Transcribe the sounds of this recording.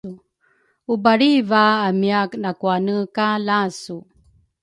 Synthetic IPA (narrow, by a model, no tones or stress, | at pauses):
u | ubaɾivaːmiaknakuanəkalasu